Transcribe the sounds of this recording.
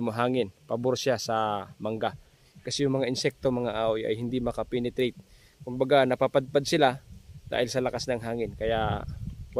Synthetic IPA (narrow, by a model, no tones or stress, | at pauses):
moɦaːŋɪnpɐboɾsjasɐmɐŋɡa | kɐsɛjʊŋmɐŋaʔɪnsɛk̚t̪omɐŋaʔaːʔojʔɐ̰jhɪnd̪imɐkɐpɛnɛt̪ɾet̪̚ | kʊmbɐɡanɐpapad̪̚pad̪̚sɪlad̪̥a̰ːhɪlsɐlɐkasnɐŋɦaːŋɪnkɐja | w